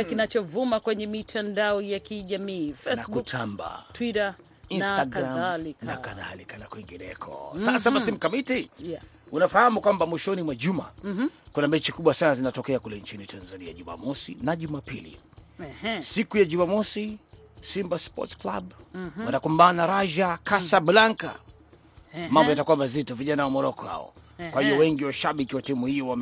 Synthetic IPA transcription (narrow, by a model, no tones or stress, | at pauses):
kinat͡ʃɔvumakwɛɲɛmitʰandaɔjakiʄamiːfɛnakutʰamba̰twiɾa | instaɡɾaliknakaða̰likanakwiŋɡinɛ̰kʰɔ̰ssasaasim̩kamitijaunafahamukwambamwiʃɔnimwaʄuma̰kunamɛt͡ʃikuɓwasanazinatɔkɛakulɛɲt͡ʃinitʰanzania̰ʄuma̰mɔsḭnaʄumapilḭ | sikujaʄumamɔsi | simbaspɔ̰tskla̰ɓwatakumbanaɾaʒakasablaŋka̰ | mambɔjatakuwamazitɔviʄanawamɔɾɔkɔha̰ɔ̰ | kwahiɔwɛŋɡiwaʃaɓikiwatimuhijɔwam